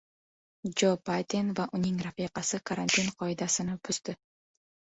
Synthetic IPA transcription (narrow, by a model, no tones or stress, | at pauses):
d͡ʒobajt̪ʲenvaʔunʲiŋɡrafʲiqɑsɯkɐɾanʲt̪ʲinqʰojd̪ɑsɯnapyzt̪y